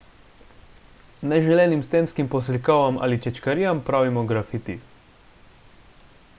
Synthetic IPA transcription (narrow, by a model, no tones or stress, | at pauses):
nɛʒɛlɛːnimst̪enskimpɔs̬lʲkɔʋama̰ːlit͡ʃɛt͡ʃkaɾiːjampɾaːʋimɔɡɾafit̪ḭ